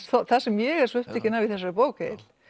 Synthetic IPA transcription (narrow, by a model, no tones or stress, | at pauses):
θɔθḁsɛmjɛɣɛɾsɔʏht̪ɛhçcːɪnaviðθɛsːapoːwkḛl̥